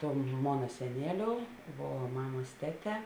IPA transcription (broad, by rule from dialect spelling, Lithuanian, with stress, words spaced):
ˈtoːm ˈmoːnɐ sʲɛˈnʲeːˌlʲoːʊ ˈʋoː ˈmɑːmɐs ˈtʲæːˌtʲɛː